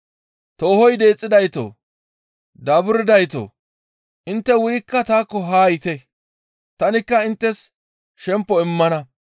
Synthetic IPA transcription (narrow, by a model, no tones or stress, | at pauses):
t̪oːhɔjd̪e̞ːt͡sʼːɪd̪ɐjt̪o̰ː | d̪ɐbʊɾɪd̪ɐjt̪o̰ː | ʔɪnt̪ːɛwʊjɪkːɐt̪aːkːɔɦaːjɪt̪ɛ | t̪ɐnɪkːɐɪnt̪ːɛs | ʃɛmpːɔɪmːɐnɐ